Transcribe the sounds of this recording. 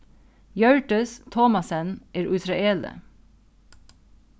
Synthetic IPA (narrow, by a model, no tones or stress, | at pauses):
jœɹʈəst̪ʰɔmɑsənʔeːɾʔʉsɾɑeːlə̰